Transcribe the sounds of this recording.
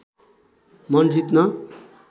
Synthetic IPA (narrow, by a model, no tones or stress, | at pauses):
mʌnd͡zit̪nʌ